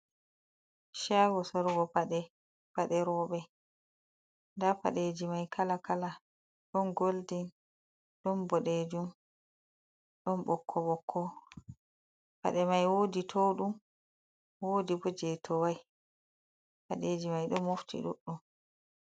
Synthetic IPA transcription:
ʃaɡɔsɔɾɡɔpaɗɛ | paɗɛɾɔːɓɛ | ndapa̰ɗed͡ʒimajkʰalakala | ɗɔnɡoldin | ɗɔnbɔɗed͡ʒum | ɗɔnɓɔkʰːɔɓɔkʰːɔ | pa̰ɗɛmajwoːditʰɔɗum | woːdibɔd͡ʒɛtʰɔwaj | paɗed͡ʒimajɗɔmːoftʰḭɗṵɗːum

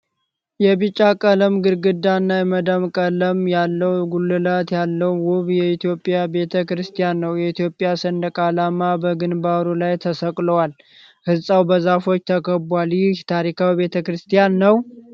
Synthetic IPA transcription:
jɛβɨt͡ʃʼːakʼələmɡɨɾɡɨd̪anːajɛməd̪amkʼələmjalːəwɡulːɨlat̪jalːəwwʊβjɛit̪ijo̞pʼːijabe̞t̪ʰəkɾɨst̪ʰijanːəwjɛit̪ijo̞pʼːjasənd̪əkʼalamabəɡɨnbaɾulajt̪ʰəsəkʼləwal | hɨzsʼawbəzafo̞t͡ʃːt̪ʰəkʰəbʷaljɪt̪ʰaɾikʰawβe̞t̪ʰəkɾɨst̪ʰijanːəw

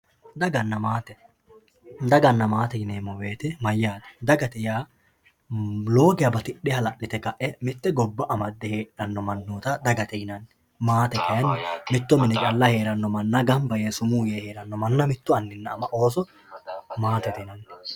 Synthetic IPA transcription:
d̪ɐɡɐnːɐmaːt̪ɛ | d̪ɐɡɐnːɐmaːt̪ɛjɪneːmːɔwe̞ːt̪ɛmɐjːaːd̪ɛ̥d̪ɐɡɐt̪ɛjaː | lo̞ːɡɪjɐbɐt̪ɪɗːɪhɐlɐʔːɪt̪ɛkɐʔɛmɪt̪ːɛɡɔbːɐʔɐmɐd̪ːɛheːᶑɐnːɔmɐnːoːt̪ɐd̪ɐɡɐt̪ɛjɪnɐnː | maːt̪ɛkɐjɐnːmɪt̪ːɔmɪnɪkʼɐlːɐhe̞ːɾɐnːɔmɐnːɐɡɐmbɐjesʊmuːjeheːɾɐnːɔmɐnːɐmɪt̪ːʊɐnːɪnːɐːmɐʔo̞ːs̬ɔ | maːt̪ɛt̪ɛnɐnː

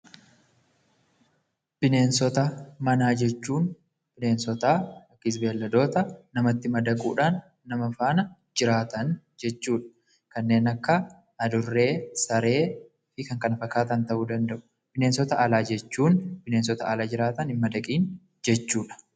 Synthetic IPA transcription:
b̥ɪne̞ːnsɔt̪ɐmɐnaːd͡ʒɛt͡ʃːuːn | b̥ɪne̞ːnsɔt̪aːɐkːɪzbeːlːɐd̪o̞ːt̪ɐːɐmɐt̪ːɪmɐd̪ɐkʼṵːᶑaːnː | ɐmɐfaːnɐ | d͡ʒɪɾaːt̪ɐn | d͡ʒɛt͡ʃːuːᶑɐ̥ | kɐnːe̞ːnɐkːɐː | d̪ʊrːe̞ːsɐɾe̞ː | fɪkɐŋkɐnɐfɐkːaːt̪ɐnt̪ɐʔuːd̪ɐnd̪ɐʔʊ̥ | b̥ɪneːnsɔt̪ɐʔɐlaːd͡ʒɛt͡ʃːuːnb̥ɪne̞ːnsɔt̪ɐːlaːd͡ʒɪɾaːt̪ɐnɪmːɐd̪ɐkʼiːn | d͡ʒɛt͡ʃːuːᶑɐ̥

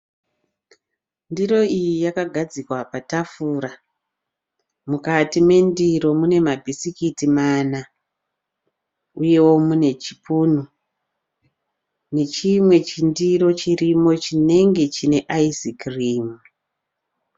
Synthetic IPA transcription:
ndiro̞ijijakaɡʱad͡zikwapatafuːɾa | mukatime̞ndiɾo̞mune̞mabʱisikitimana | uje̞wo̞mune̞t͡ʃipunu | ne̞t͡ʃimwe̞t͡ʃindiɾo̞t͡ʃirimo̞t͡ʃine̞ŋɡe̞t͡ʃine̞ʔaizikriːmu

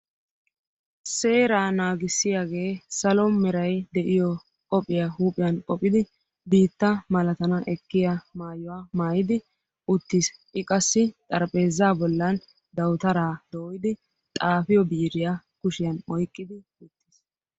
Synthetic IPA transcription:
se̞ːɾaːnaːɡɪsːɪjaːɡe̞ːsɐlɔmɛɾɐjd̪ɛʔɪjɔ | kʼɔpʼːɪjahuːpʼɪjɐnkʼɔpʼːɪd̪ɪ | biːt̪ːɐmɐlɐt̪ɐnɐʔɛkːɪjɐmaːjɔwaːmaːjɪd̪ɪ | ʔʊt̪ːɪsʔɪkʼɐsːɪt̪ʼɐɾpʼe̞ːzːaːbɔlːɐn | d̪ɐwt̪ɐɾaːd̪̥oːjɪd̪ɪ | t̪ʼaːfɪjɔbiːɾɪja | kʊʃɪjɐnɔjkʼːɪd̪ɪ | ʊt̪ːis

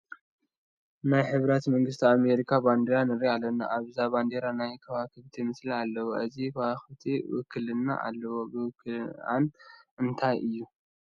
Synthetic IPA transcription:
najħɨβɾɐt̪mɐŋɡɨst̪ʰiame̞ɾikʰaband̪eɾanɨɾialɐnːa̰ʔaβzaband̪eɾanajkʰɐwakɨβt̪ʰimɨslialːɐwoʔɨzikʰɐwaxɨβt̪ʰiwɨ̰kʰːɨlɨnːa̰ʔa̰lːɐwobɨwkʰɨa̰nʔɨnt̪ʰajʔɨjːu

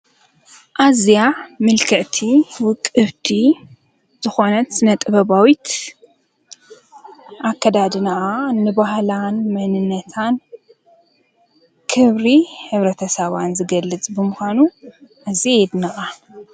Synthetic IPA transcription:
ʔazjamɨlkʰɐʔt̪ʰiwʊkʼːɨβt̪ʰi | z̥ɨxo̞nɐt̪sɨnɐt̪ʼɨβɐβawit̪ | ʔakʰːɐd̪ad̪ɨnaʔanːɨbahlanmɐnɨnːɐt̪ʰan | kʰɨβɾihɨβɾɐt̪ʰɐsɐβanzɨɡɐlːɨt͡sʼbɨmɨxʷanuʔɨzied̪naʔa

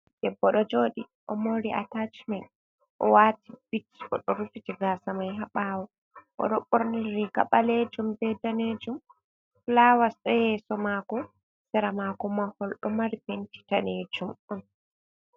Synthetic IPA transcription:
d̥ɛbːɔɗɔd͡ʒoːɗi | ʔɔmoɾia̰tat͡ʃmɛn | ʔɔwatibit͡ʃːɔ̰ɗɔɾufitiɡasamajɦaɓawɔ | ʔɔ̰ɗɔɓoɾniɾiɡa̰ɓaled͡ʒumbɛdaned͡ʒum | lawasɛhɛːsɔmakɔ | sɛɾamakɔmahɔlɗɔmaɾipenti̥taned͡ʒumɔn

